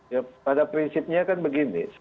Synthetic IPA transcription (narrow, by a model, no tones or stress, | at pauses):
japadapɾinsɪp̚ɲakanbəɡinḭs